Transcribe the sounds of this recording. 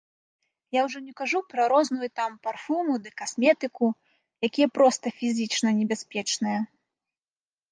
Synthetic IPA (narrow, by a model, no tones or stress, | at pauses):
jawʐɔnʲɛkaʐupɾɐɾɔznujut̪amparfumud̪ɨkasmʲɛt̪ɨku | jakʲijɐpɾɔst̪ɐfʲizʲit͡ʂnɐnʲɛbʲasʲpʲɛt͡ʂnɨjɐ